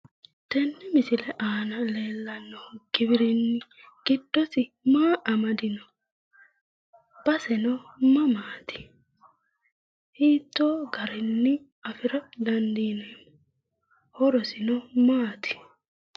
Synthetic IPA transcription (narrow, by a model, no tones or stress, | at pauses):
t̪ɛnːɛmɪsɪlɛʔaːnɐleːlːɐnːɔɡ̥ɪbɪɾɪnːɪ | ɡ̥ɪd̥ːɔsɪmaːʔɐmɐd̪ɪnɔ | b̥ɐsɛnɔmɐmaːt̪ɪ̥ | hiːt̪ːoːɡɐɾɪnːɪ | ɐfɪɾɐd̪ɐnd̪iːnɔm | hɔɾɔsɪnɔmaːt̪ɪ̥